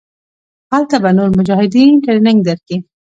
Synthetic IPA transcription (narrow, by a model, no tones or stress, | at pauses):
halt̪abanoɾmʊd͡ʒɑhɪd̪inkad̪ɪnɪŋɡ̚d̪aɾki